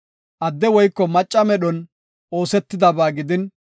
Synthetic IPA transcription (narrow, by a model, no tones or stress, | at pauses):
ʔɐd̪ːɛwɔjkːɔmɐt͡ʃʼːɐmɛɗɔn | o̞ːsɛt̪ːɪd̪ɐbaːɡɪd̪ɪn